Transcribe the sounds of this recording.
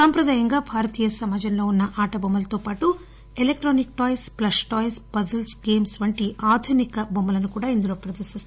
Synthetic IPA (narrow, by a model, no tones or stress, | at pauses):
sɐmpɾɐd̪aːjɐŋɡaːbʱaːɾɐt̪iːjɐsɐmaːd͡ʒʱɐmlo̞ːunːɐʔaːʈɐbomːɐlɐt̪o̞ːpaːʈu | elek̚ʈɾoːnik̚ʈɔːjsplɐsʈɔːjspɐzɐlsɡe̞ːmsʋɐɳʈiʔaːd̪ʱunikɐbomːɐlɐnukuːɽaːind̪uloːpɾɐd̪ɐɾsist̪